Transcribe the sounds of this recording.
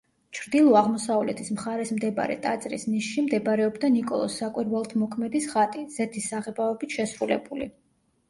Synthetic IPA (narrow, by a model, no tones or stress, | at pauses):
t͡ʃʰɾd̪ilˠɔaʁmɔsavlɛt̪ʰismχaɾɛsmd̪ɛba̰ɾɛ̰t̪ʼat̪sʼɾḭsniʃʃimd̪ɛbɾɛɔbd̪anikʼɔ̰lˠɔ̰sːakʼwiɾwɛlˠt̪ʰmɔkʰmɛd̪isʁat̪ʼiz̥ɛt̪ʰisːaʁɛbaɔbit̪ʰʃɛsɾulɛbulḭ